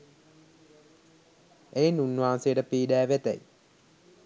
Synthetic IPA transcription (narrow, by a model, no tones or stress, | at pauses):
ejenunːʋaːnsejəʈəpiːɖæːʋet̪æ̰j